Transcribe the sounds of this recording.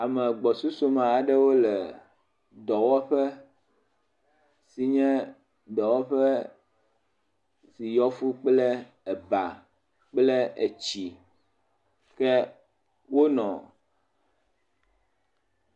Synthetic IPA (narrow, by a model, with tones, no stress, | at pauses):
a˨mɛ̃˨ɡ͡bɔ˨su˦so˦mã˨a˨ɖɛ˦wo˦lɛ˨ | d̪ɔ˨wɔ˦ɸɛ˦ | si˨ɲɛ̃˦ | d̪ɔ˨wɔ˦ɸɛ˦ | si˨jɔ˦fu˦k͡plɛ˦ | ɛ˨ba˨ | k͡plɛ˦e˨t͡ɕi˨ | kɛ˦ | wo˦nɔ̃˨